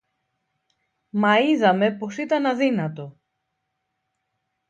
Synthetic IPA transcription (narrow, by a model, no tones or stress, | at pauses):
mɐiðɐme̞po̞sit̪ɐnɐðinɐt̪o̞